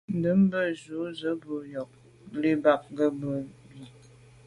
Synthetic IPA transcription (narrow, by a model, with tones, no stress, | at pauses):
n̩˨də˨˦m˦bə˦zu˨˦zə˨˦bə˨˦jɔ˨k̚ | li˦ba˨k̚ɡə˦bə˨ju˨